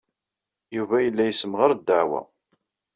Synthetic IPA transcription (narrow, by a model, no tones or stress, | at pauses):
juvæjəlːæjəsəmʁəɾd̪ːəʕwæ̰